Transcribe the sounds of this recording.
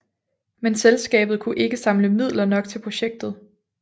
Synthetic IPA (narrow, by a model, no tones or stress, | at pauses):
menselsɡ̥ɛ̰ːb̥ð̞̩ˠkʰuʔe̝ɡ̥əsɑ̈mləmið̞̰ˠlɐnɒ̽ɡ̥t͡sʰe̝lpʰʁo̝ɕeɡ̥̚d̥ð̩ˠ